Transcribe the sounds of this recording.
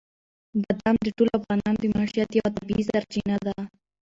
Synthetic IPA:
bad̪amd̪əʈolafɣɑnɑnd̪əmɑʃijat̪jawat̪abiisaɾt͡ʃinad̪a

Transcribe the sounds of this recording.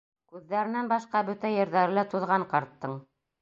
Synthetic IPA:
kʉðːæɾɘ̆nænbɑʃqɑbɵt̪æjɘ̆ɾðæɾɘ̆læt̪uðʁɑɴqɑɾt̪ːɤɴ

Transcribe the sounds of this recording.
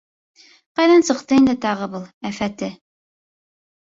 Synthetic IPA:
qɑjðænsɤ̆qt̪ɤind̪ɘt̪ɑʁɤbulˠæfæt̪ɘ

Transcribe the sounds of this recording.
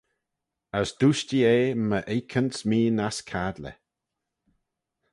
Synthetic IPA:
əsd̪̥uːʃtieːməʔejkʰənsmiːnaskʰad̪lɛ̰

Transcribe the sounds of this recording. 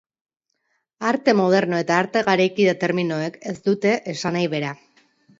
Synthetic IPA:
aɾt̪e̞mo̞ð̞e̞ɾno̞e̞t̪aːɾt̪e̞ɣaɾekiðat̪e̞ɾmino̞e̞ke̞sd̪ut̪e̞ʔesanajβe̞ɾa

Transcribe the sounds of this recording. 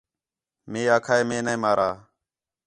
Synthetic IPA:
mẽːaːkʰaːeːmẽːneːmaːɾʔaː

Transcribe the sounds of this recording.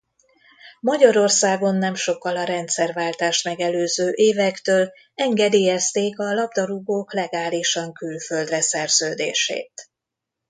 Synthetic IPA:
mɒɟɒɾo̞rsaːɡo̞nːɛmʃo̞kːɒlɒɾɛnt̪sɛrvaːlt̪aːʃt̪mɛɡɛløːzøːʔeːvɛkt̪øːl | ɛŋɡɛd̪eːjɛst̪eːkɒlɒbd̪ɒɾuɡoːklɛɡaːliʃɒŋkylfø̞ld̪rɛsɛrz̥øːd̪ḛːʃḛːt̪

